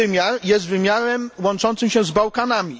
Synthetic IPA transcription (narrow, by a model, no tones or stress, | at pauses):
ɘmʲjaɾjɛst̪vɘmʲjaɾɛmwɔnt͡ʂɔnt̪sɘmɕɛ̃zbawkanamʲi